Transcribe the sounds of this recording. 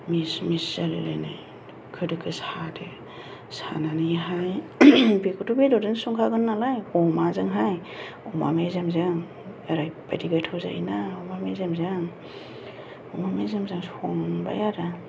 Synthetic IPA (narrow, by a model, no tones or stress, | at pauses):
mismiszalḛlanaj | kʰɯdɯkʰɯsade | sananiɦajbekʰutubedɔdinsuŋkʰaɡɯnːalajɔmazɯŋɦaj | ɔmamezemzɯŋ | eɾajba̰jdiɡajtʰawza̰jnaɔmamezemzɯŋ | ɔmamezemzaŋsɔŋba̰jaɾa